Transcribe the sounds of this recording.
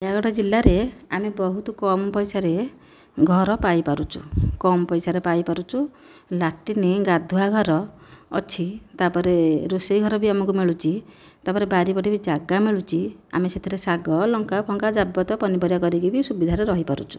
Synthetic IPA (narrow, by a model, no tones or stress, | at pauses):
jaɡɔɽɔd͡ʒilːaɾeamebɔɦut̪ɔkɔmɔpɔjsaɾe | ɡʱɔɾɔpajpaɾut͡ʃʰukɔmɔpɔjsaɾepajpaɾut͡ʃʰu | laʈiniɡad̪ʱuaɡʱɔɾɔ̰ːt͡ʃʰit̪apɔɾeɾosejɡʱɔɾɔbiamɔkumiɭut͡ʃʰi | t̪apɔɾebaɾipɔʈibid͡ʒaɡamiɭut͡ʃʰia̰meset̪ʰiɾesaɡɔlɔŋkapʰɔŋkad͡ʒabɔt̪ɔpɔnibɔɾjɔkɔɾiɡibisubid̪ʱaɾeɾɔɦipaɾṵt͡ʃʰu̥